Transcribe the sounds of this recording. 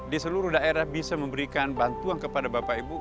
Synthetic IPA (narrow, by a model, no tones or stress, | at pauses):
disəluɾuhdaeɾahbisaməmbəɾikanbant̪uankəpadabapaibu